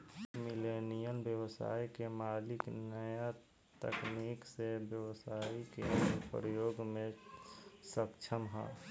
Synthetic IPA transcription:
milenijəlbjəwsa̰ːikemaːlɪknəja | t̪ə̰kniksebjəwsaːikepɾəjoːɡmẽ | səkt͡ʃʰəmɦa̰

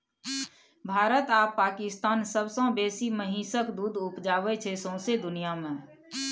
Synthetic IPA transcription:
bʱaːɾət̪aːpːaːkɪst̪aːnsəbsãbeːsiməɦĩːsəkd̪uːd̪ʊpd͡ʒaːwet͡ʃʰesõsed̪ʊnijamẽː

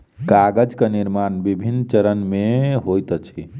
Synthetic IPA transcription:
kaɡəd͡ʒkeniɾmanbibʱinːt͡ʃəɾənmeɦojt̪ət͡ʃʰi

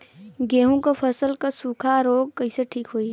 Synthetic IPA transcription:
ɡeːɦũkapʰɐsəlkasuːkʰaɾoːɡ̚kɐiseʈʰiːkɦoi

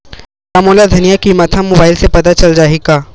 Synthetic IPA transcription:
saːmoːlad̪ʱɐnijakimɐt̪ʰamoːbaːɪlsepɐt̪at͡ʃɐld͡ʒaːɦeɡaː

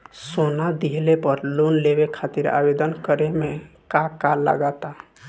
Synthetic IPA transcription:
sonad̪iɦlepəɾlonlebekʰat̪iɾa̰bed̪ənkəɾeme | kakala̰ɡat̪a

